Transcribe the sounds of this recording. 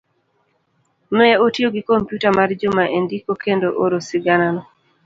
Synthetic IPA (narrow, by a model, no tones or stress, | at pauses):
nɔjaotjoɡɪkompjutamard͡ʒʊmaʔendikokendoʔoɾosɪɡananɔ